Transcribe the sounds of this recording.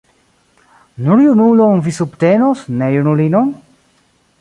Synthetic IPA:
nuɾjunulonvisubt̪enosnejunulinon

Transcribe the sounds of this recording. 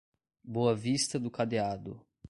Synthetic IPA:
boɐvist̪ɐd̪ʊkad̪ead̪ʊ̰

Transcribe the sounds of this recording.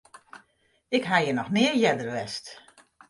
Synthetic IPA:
ɪkɦajənɔxnɪːəɹjɛdərʋɛst

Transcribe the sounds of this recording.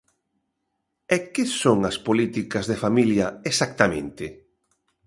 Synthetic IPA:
ɛkɪsoŋɐspolit̪ikɐzðefamiljɐesak̚t̪amḛ̃nt̪ɪ

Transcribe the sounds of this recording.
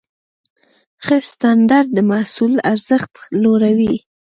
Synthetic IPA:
xəst̪and̪aɾd̪̚ːəmasula̰ɾz̥əxt̪loɾawi

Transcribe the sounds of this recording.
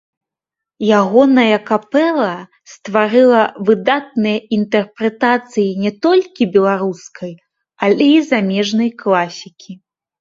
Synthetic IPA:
jaɣɔnɐjɐkapɛlˠɐ | st̪vaɾɨlˠɐvɨd̪at̪̚nɨjɐint̪ɛrpɾɛt̪at̪sɨjinʲɛt̪ɔlʲkʲibʲɛlˠaɾuskʰɐj | alʲɛizamʲɛʐnɐjklˠasʲikʲʰi

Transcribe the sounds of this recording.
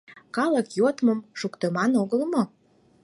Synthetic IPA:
kɑləkjot̪məmʃukt̪əmɑnoɣəlmo

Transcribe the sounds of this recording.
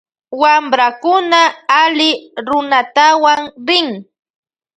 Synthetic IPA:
wamɾakʊnaːlɪɾʊnat̪awaŋɾɪŋ

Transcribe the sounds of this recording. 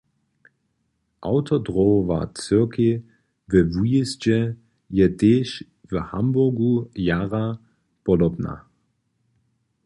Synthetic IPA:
ʔawtɔdʁova̰t͡søɐkʰi | vɛvujisd͡ʑɛ | jɛteːʃ | vəha̰mbʊɡujaːʁa | pɔdɔbna̰

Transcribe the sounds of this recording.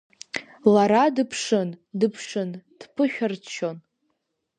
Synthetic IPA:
laɾadɨpʰʂɨndɨpʰʂɨnd̥pʰɨʃʲᶣart͡ʃʰon

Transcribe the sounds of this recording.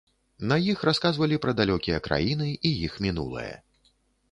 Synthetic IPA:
nɐjixɾaskazvɐlʲipɾɐd̪alʲɔkʲijɐkɾʔa̰jin̪ɨijixmʲinṵlˠɨ̰jɐ̰

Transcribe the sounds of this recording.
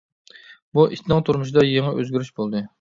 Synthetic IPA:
buʔiʃt̪nɨŋt̪ʰuɾmʊʃ̬ɪd̪ɑjeŋɨʔøzɡʲyɾyʃbolˠd̪ɨ

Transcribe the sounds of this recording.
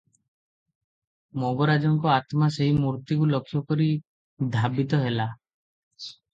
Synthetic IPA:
moɡɔɾad͡ʒɔŋkɔat̪maseɦimuɾt̪ikulɔkʰːjɔkɔɾi | d̪ʱabit̪ɔɦela

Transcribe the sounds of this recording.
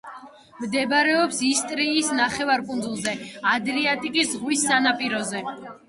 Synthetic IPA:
md̪ɛbɾɛɔpsist̪ʼɾiːsnaχɛvaɾkʼund̪zulˠzɛad̪ɾiat̪ʼikʼisʁwisːanapʼiɾɔzɛ

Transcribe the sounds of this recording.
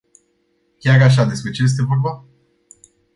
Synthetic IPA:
kʲaɾaʃ̬ad̪e̞spɾe̞t͡ʃe̞je̞s̬t̪e̞vo̞rba

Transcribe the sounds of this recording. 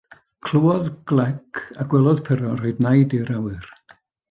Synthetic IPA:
kʰl̥ˠuwɔðɡ̥lˠɛkʰaɡ̥wɛlˠɔð̥pʰɛɾɔroɨdnajdiɾawɨr

